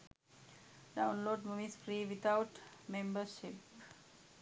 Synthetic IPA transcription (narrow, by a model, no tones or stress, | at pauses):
ɖaʊ̃nloːɖmomĩsfɾiːʋit̪ʰaʊʈmẽmbəʃip